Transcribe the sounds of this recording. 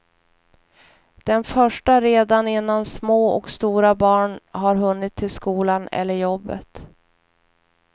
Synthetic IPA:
d̪̥ɛnfœʂʈaɾeːd̪anɪnːansmoːɔ̰kst̪uːɾabɑːɳɦaɾɦɵnːɪt̪ʰːɪlskuːlanɛ̰lːəɾjɔbːə̰t̪

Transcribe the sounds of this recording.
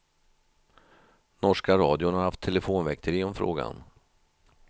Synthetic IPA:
nɔʂkaɾɑːd̪ɪʊnhaɾhaft̪ʰːɛlɛfoːnvɛkt̪ʰəɾɪɔmfɾo̰ːɡa̰n

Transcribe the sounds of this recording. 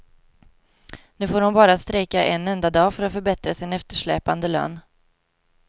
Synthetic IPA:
nʉ̟ːfoːɾhʊnbɑːɾast̪ɾɛkːaʔɛnːɛnd̪ad̪ɑːfœɾat̪fœɾbɛt̪ɾasɪnɛft̪əʂɭɛ̰ːpand̪əlœ̰ːn

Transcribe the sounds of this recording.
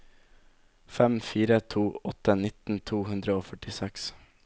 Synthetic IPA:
fɛmfiːɾət̪ʰuːɔt̪ənɪt̪n̩t̪ʰuːhʉnd̪ɾəoːfœʈɪsɛks

